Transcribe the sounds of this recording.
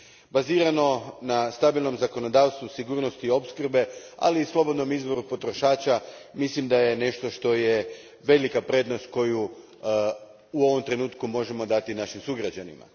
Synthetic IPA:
baziːɾano̞nast̪abilˠno̞mzako̞no̞d̪aːʋst̪ʋusiɡuːɾno̞st̪io̞pskrbe̞a̰liːslˠo̞bo̞d̪no̞mizbo̞ɾupo̞t̪ɾo̞ʃaːt͡ɕamislimd̪ajene̞ʃt̪o̞ʃt̪o̞je | ʋe̞likapɾe̞d̪nost̪ko̞ju | uo̞ʋo̞mt̪ɾe̞nuːt̪kumo̞ʒe̞mo̞d̪at̪inaʃimsuɡɾad͡ʑanima̰

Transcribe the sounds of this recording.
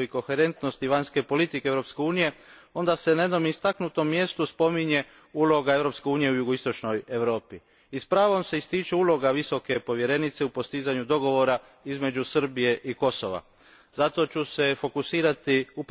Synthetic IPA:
oiko̞xe̞ɾe̞nt̪no̞st̪iʋaɲske̞po̞lit̪ikeeʋɾo̞pske̞uːnije | o̞nd̪ase̞naje̞d̪no̞mist̪aknut̪o̞mːje̞st̪uspo̞miɲe̞ | uːlˠo̞ɡae̞ʋɾo̞pske̞uːnije̞ujuɡoist̪o̞t͡ʃno̞jeʋɾo̞ːpi | ispɾaːʋo̞mse̞ist̪it͡ʃeuːlo̞ɡaʋiso̞ke̞po̞ʋje̞ɾe̞nit̪seupo̞st̪izaɲud̪o̞ɡo̞ʋo̞ɾa | izme̞d͡ʑusr̩bije̞ʔiko̞so̞̰ʋa̰ | zat̪o̞t͡ʃuse̞fo̞kusiːɾat̪iup

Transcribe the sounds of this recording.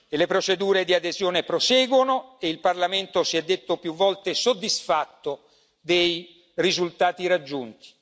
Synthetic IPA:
elepɾot͡ʃed̪uːɾed̪iad̪ezjɔːnepɾosɛːɡwonoeilparlament̪osiɛd̪ːet̪ːopjuvːɔlt̪esod̪ːisfat̪ːo | d̪ej | rizult̪aːt̪iɾad͡ʒːunt̪i̥

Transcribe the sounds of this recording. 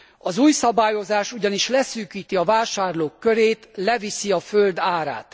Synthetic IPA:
ɒzuːjsɒbaːjo̞zaːʃuɟɒniʃlɛsyːkiːt̪iɒvaːʃaːrloːkːøɾeːt̪lɛvisiɒføld̪aːɾa̰ːt̪

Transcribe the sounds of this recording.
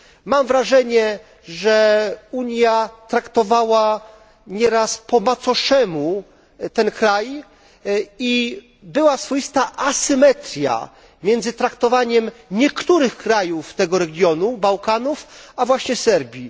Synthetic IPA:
mamvɾaʐɛɲɛ | ʐɛuɲjat̪ɾakt̪ɔvawa | ɲɛɾaspɔmat̪sɔʂɛmu | t̪ɛnkɾaj | i | bɘwasfɔjist̪aʔasɘmɛt̪ɾʲja̰ | mʲjɛnd̪zɘt̪ɾakt̪ɔvaɲɛmɲɛkt̪uɾɘxkɾajuft̪ɛɡɔɾɛɡʲjɔnubawkanufavwaɕɲɛsɛɾbʲji

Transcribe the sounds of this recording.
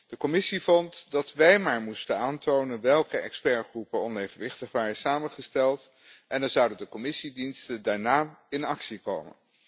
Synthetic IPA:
d̥əkɔmɪsivɔntdɑtʋɛjmaːɹmustənaːntownənʋɛlˠkəɛkspɛɹχrupənɔnejvənʋɪχtəχʋaːrəsaːməχəstɛlˠt | ʔɛndɑzʌɑwdəndəkɔmɪsidinstəndaːɹnaːɪnɑksiko̰wmə̰n

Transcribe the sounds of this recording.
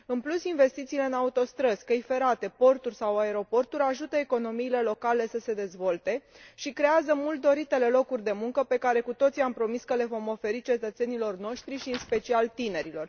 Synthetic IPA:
ɨnplusinve̞st̪it̪siːle̞ɨnaut̪o̞st̪ɾəskəjfe̞ɾat̪e̞po̞rt̪urʲsawae̞ɾo̞po̞rt̪uɾʲaʒut̪əe̞ko̞no̞miːle̞lo̞kale̞səse̞d̪e̞zvo̞lt̪e̞ | ʃikɾe̞azəmult̪̚d̪o̞ɾit̪e̞le̞lo̞kurʲd̪e̞muŋkəpe̞kaɾe̞kut̪o̞t̪siampɾo̞miskəle̞vo̞mo̞fe̞ɾit͡ʃe̞t̪ət̪se̞nilo̞rno̞ʃt̪ɾiʃiɨnspe̞t͡ʃialt̪ine̞ɾilo̞r

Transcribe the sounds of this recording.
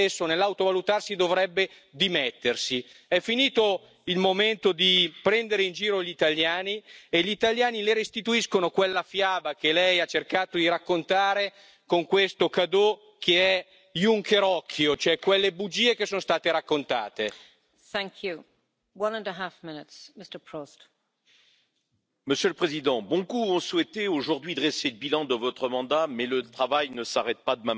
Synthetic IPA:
esːonelːawt̪ovalut̪arsid̪ovɾɛbːe | d̪imɛt̪ːersiɛfːiniːt̪o | ilmoment̪od̪ipɾɛnd̪eɾeind͡ʒiːɾoʎit̪aljaːnieʎːit̪aʎjaːnileɾest̪it̪uiskonokwelːafjaːbakelɛjat͡ʃːerkaːt̪od̪iɾakːont̪aːɾe | koŋkwest̪okad̪o | kʰeɛ | juŋkeɾɔkʰːjot͡ʃoɛkwelːebud͡ʒiːekesoːnost̪aːt̪eɾakːont̪aːt̪e | θæ̃ŋkʰju | wʌ̃nə̃nəɦafmɪnɪtsmɪstə˞pʰɹ̥ost | məsjølpχezid̪ɑ̃bɔ̃kuɔ̃swɛt̪eoʒuʁd̪ɥid̪ʁɛseləbilɑ̃d̪əvɔt̪χəmɑ̃d̪amɛlət̪χavajnəsaʁɛt̪̚pad̪əma

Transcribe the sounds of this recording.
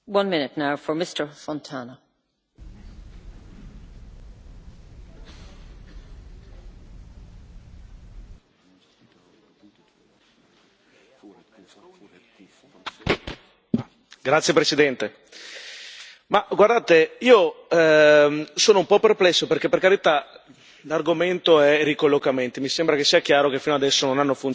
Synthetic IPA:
wʌ̃nmɪ̃nɪtnaʊfə˞mɪstə˞fɔ̃ntʰanə | ɡɾat̪sːjepɾesid̪ɛnt̪e | maɡward̪aːt̪eiːo | soːnoumpɔpːerplɛsːoperkepːerkaɾit̪a | larɡoment̪oɛrikolːokament̪imisembɾakesːiːak̟jaːɾok̟efːinoad̪ɛsːononanːofun

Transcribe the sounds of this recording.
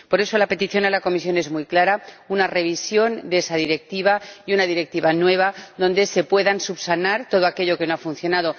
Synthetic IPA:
po̞ɾe̞so̞lape̞t̪iθjo̞nalako̞misjo̞ne̞zmujklaɾaunare̞β̞isjo̞nd̪e̞saðiɾe̞k̚t̪iβaiunaðiɾe̞k̚t̪iβanwe̞β̞aðo̞nd̪e̞se̞pwe̞ðansupsanaɾt̪o̞ð̞o̞ake̞ʎoke̞no̞afunθjo̞nað̞o̞

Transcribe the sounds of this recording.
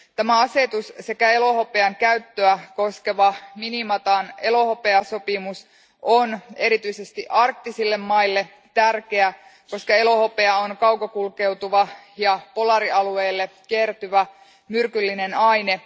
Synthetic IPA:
t̪æmæɑse̞t̪usse̞kæe̞lo̞hope̞ɑŋkæyt̪ːøæko̞ske̞ʋɑminimɑt̪ɑne̞lo̞hope̞ɑso̞pimus | ʔone̞ɾit̪yisest̪iʔɑrk̚t̪ːisilːe̞mːɑilːe̞ | t̪ærke̞æko̞skɑe̞lo̞hope̞ɑonkɑwkɑkulke̞wt̪uʋɑ | jɑpo̞lɑɾiʔɑlueːlːe | kiert̪yʋæ | myrkylːinenɑjne

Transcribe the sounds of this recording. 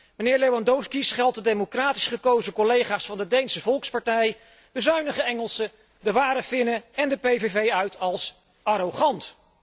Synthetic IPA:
mənɪːɹlejwɑndowskisχɛlˠtədejmokraːti̥sχəkowzəkɔlejχaːsfɑndədejnsəvɔlˠkspɑɹtɛj | d̥əzœɥnəχəɛŋəlˠsə | dəʋaːɾəfɪnəɛndəpejvevejœɥtʰɑlˠs | ɑɾoχɑnt

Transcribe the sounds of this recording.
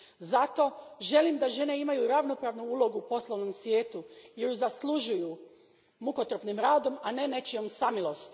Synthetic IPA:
zat̪o̞ʒe̞limd̪aʒe̞ne̞imajuɾaʋno̞pɾaːʋnuuːlˠo̞ɡuːpo̞slˠoʋno̞msʋje̞ːt̪ujeɾuzaslˠuʒuju | mukot̪ɾopnimɾaːd̪o̞mane̞ne̞t͡ʃio̞msamilˠo̞st̪

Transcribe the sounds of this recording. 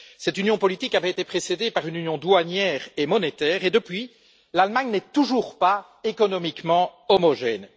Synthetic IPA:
sɛt̪ynjɔ̃pɔlit̪ikavɛet̪epχesed̪epaʁynynjɔ̃d̪waɲjɛːʁemɔnet̪ɛːʁed̪əpɥi | lalmaɲnɛt̪uʒuʁpa | ekɔnɔmikmɑ̃ɔmɔʒɛn

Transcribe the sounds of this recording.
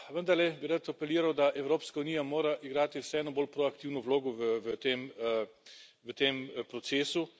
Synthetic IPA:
ʋənd̪aɾlɛbiɾat̪ɔpɛliːɾawd̪aʔɛwɾoːpskaunijamoːɾaʔiɡɾaːt̪iwsɛɛːnɔboːlpɾoakt̪iːwnɔʋloːɡɔʋəʋət̪eːm | ʋət̪eːmpɾɔt̪seːsu

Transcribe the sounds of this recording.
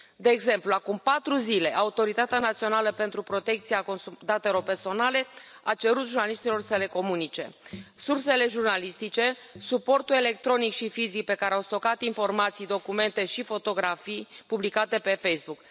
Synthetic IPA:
d̪e̞ːɡze̞mpluakumpat̪ɾuzile̞ʔaut̪o̞ɾit̪at̪eanat̪sio̞naləpe̞nt̪ɾupɾo̞t̪e̞k̚t̪siako̞nsud̪at̪e̞lo̞rpe̞rso̞nale̞at͡ʃe̞ɾut̪ʒurnaliʃt̪ilo̞rsəle̞ko̞munit͡ʃe̞̰surse̞le̞ʒurnalist̪it͡ʃe̞ | supo̞rt̪ulele̞k̚t̪ɾo̞nikʃifizik̚pe̞kaɾeawst̪o̞kat̪info̞rmat̪sijd̪o̞kume̞nt̪e̞ʃifo̞t̪o̞ɡɾafijpublikat̪e̞pe̞fejsbuk

